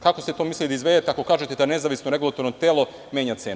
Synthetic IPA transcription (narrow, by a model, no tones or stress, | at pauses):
kakoset̪oːmislid̪aizʋed̪et̪eakokaːʒet̪ed̪ane̞zaːʋisnoɾe̞ɡulˠat̪o̞ɾnot̪eːlˠo | mje̞ːɲat̪seːn